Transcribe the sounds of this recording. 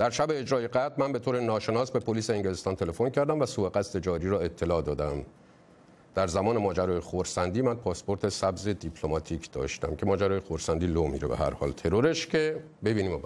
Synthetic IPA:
d̪̥æɾʃæbe̞ːd͡ʒɾɒːje̞ɡæd̪mænbe̞t̪ʰoːɾe̞nɒːʃe̞nɒːsbe̞pʰoliːseeŋɟele̞st̪ɒːnt̪ʰe̞le̞fo̞ncʰæɾd̪æmvæsuːbe̞ɣæst̪e̞d͡ʒɒːɾiːɾɒːe̞t̪ʰːe̞lɒːd̪ɒːd̪æm | d̪̥æɾzæmɒːne̞mɒːd͡ʒæɾɒːjexoɾsænd̪iːmænpʰɒːspo̞ɾt̪ʰe̞sæbze̞d̪ipʰlomɒːt̪ʰiːcʰd̪̥ɒ̰ːʃt̪æ̰mcʰe̞mɒːd͡ʒæɾɒːje̞xoɾsænd̪iːlomḭːɾḛbeɦæ̰ɾhɒ̰ːlt̪ʰe̞ɾoɾe̞ʃcʰe̞ | be̞biːniːmo

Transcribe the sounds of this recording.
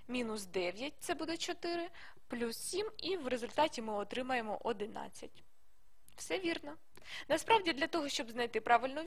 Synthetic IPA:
mʲinʊsd̪ɛʋʲjɐt̚ʲt̪sɛbud̪ɛt͡ʃɔt̪ɪɾɪ | plʲusːʲimiwrezʊlʲt̪ɑtʲimɪɔt̪ɾɪmɐjemɔ̰ʔɔd̪ɪnɑ̰t͡sʲːɐtʲ | wsɛʋʲirnɔ | nɐspɾɑʋdʲid̪lʲɐt̪ɔɦɔʃt͡ʃɔbznɐjt̪ɪpɾɑʋɪlʲnʊ

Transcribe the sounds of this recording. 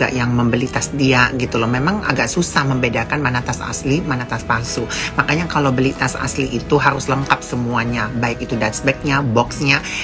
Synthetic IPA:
ɡa̰ʔjaŋməmbəlit̪asdiaʔɡit̪ulɔhmemaŋa̰ɡaʔsusahməmbedakanmanat̪asa̰slimanat̪aspasumakaɲakalowbəlit̪asa̰sliʔːt̪uɦaɾʊsləŋkap̚səmuaɲabaɪkit̪udat̪sbɛk̚ɲabɔksɲa

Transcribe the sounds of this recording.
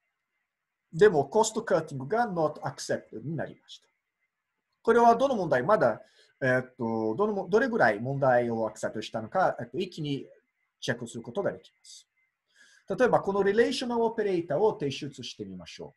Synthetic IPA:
d̪e̞mo̞ko̞sɨ̥t̪okat̪ʲĩŋɡɯ̟ɡanot̪akɯ̟̥se̞p̚t̪ebɯ̟ɲ̟ina̰ɾʲḭmaɕi̥t̪ḁ | ko̞ɾe̞βad̪o̞no̞mõnd̪aimad̪a | et̪ːod̪onood̪o̞ɾe̞ɡɯ̟ɾaimõ̞nd̪aio̞akɯ̥sep̚t̪oɕi̥t̪ano̞kaet̪ːoikʲːiɲ̟i | t͡ɕekːɯsɨɾɯ̟ko̞t̪o̞ɡad̪e̞kʲi̥masɨ̥ | t̪at̪o̞e̞bako̞no̞ɾʲiɾe̞ːɕõ̞noope̞ɾe̞it̪aːo̞t̪e̞ɕɨt͡sɨɕi̥t̪e̞mʲimaɕo̞̰ː

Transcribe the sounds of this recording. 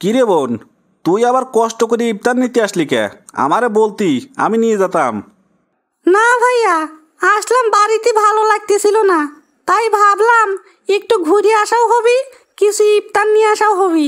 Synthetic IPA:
kiɾebon | t̪ujabaɾkɔʃʈokoɾiip̚t̪anːit̪eaʃlikɛ̰a̰maɾebolt̪ia̰minijed͡ʑat̪am | nabʱaja | aʃlambaɾit̪ebʱalolaɡ̚t̪et͡ɕʰilona | t̪ajbʱablam | ek̚ʈuɡʱuɾiaʃawɦobi | kit͡ɕʰuip̚t̪anːijeaʃaoɦoβi

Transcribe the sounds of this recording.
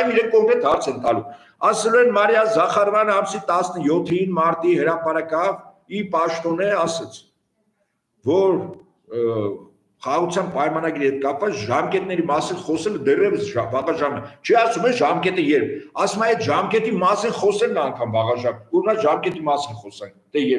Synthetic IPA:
viɾɛn̚kɔŋkɾɛt̪hɑɾt͡sʰɛnt̪ɑlum | ɑsɛluɛnmɑɾjɑzɑχɑɾvɑnəɑmsit̪ɑsnəjɔt̪ʰːinmɑɾt̪iɦəɾɑpɑɾɑkɑv | ipɑʃt̪ɔnəɑsɛt͡sʰ | vɔɾ | χɑɑʁut͡sʰjɑnpɑjmɑnɑɡiɾihɛt̪̚kɑpvɑt͡sʒɑmkɛt̪̚nɛɾimɑsinχɔsɛləd̪ɛrɛvəsʒbɑʁɑʒɑnət͡ʃʰɛɑsumɛʒɑmkɛt̪əjɛɾpʰɑsumɑɛt̪ʒɑmkɛt̪imɑsinχɔsɛlnɑŋkʰɑmbɑʁɑʒɑnuɾnɑʒɑmkɛt̪imɑsinχɔsɛnkt̪ɛjɛɾ

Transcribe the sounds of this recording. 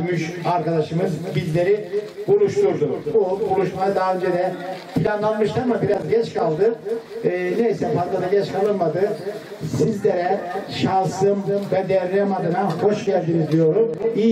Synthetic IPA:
myʃaɾkad̪aʃɯmɯzbizlʲe̞ɾi | bulˠuʃt̪ʰuɾd̪ububulˠuʃmajɯd̪aɦaø̞nd͡ʒed̪ɛpʰilʲanlˠanmɯʃlˠaɾmabiɾazɟɛt͡ʃkʰalˠd̪ɯ | nejsɛfazlˠad̪aɟɛt͡ʃkʰalˠɯnmad̪ɯ | sizlʲeɾɛʃasɯmvɛd̪ɛɾnɛmad̪ɯnaho̞ʃɟælʲd̪inid̪ijo̞ɾumiː

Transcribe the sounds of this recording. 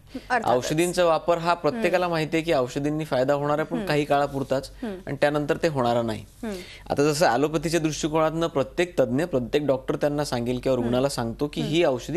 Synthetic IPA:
ə̰wʂəd̪int͡saʋapəɾɦapɾət̪jekalamaɦit̪jek̬iːəwɕəd̪inːiːfajd̪aɦoɽ̃aɾapəɳkaɦiːkaɭapuɾt̪at͡sa̰ɽ̃it̪janənt̪əɾt̪eɦoɽ̃aɾanaɦḭ | a̰t̪ad͡zəsəa̰lopət̪it͡ɕed̪ɾuʂʈikoɽ̃at̪nəpɾət̪jek̚t̪əd̪njəpɾət̪jek̚ɖɔk̚ʈəɾt̪janːasaŋɡilkiʋaɾuɡɳalasãŋɡt̪okiːɦiːəwɕəd̪i

